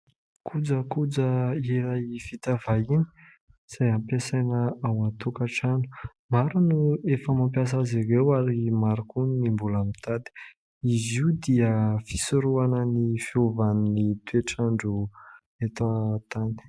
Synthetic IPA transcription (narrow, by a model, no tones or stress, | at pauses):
kʰud͡zəkud͡zəeɾajfit̪avajini̥ | z̥ajampesajnəawant̪ukaʈ͡ʂanu̥ | maɾunuefəmampjas̬aziɾewaɾimaɾukuninimbulamit̪ad̪i̥ | iziud̪iəfi̥suɾuanənifiovaninit̪weʈ͡ʂaɳɖ͡ʐu | et̪at̪ani̥